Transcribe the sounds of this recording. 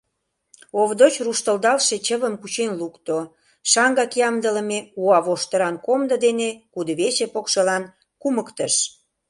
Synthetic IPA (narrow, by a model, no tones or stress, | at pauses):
oβd̪ot͡ɕruʃt̪əld̪ɑlʃet͡ɕəβəmkut͡ɕenlukt̪o | ʃɑŋɡɑkjɑmd̪ələmeuɑβoʃt̪əɾɑnkomd̪əd̪enekud̪oβesepokʃelɑn | kuməkt̪əʃ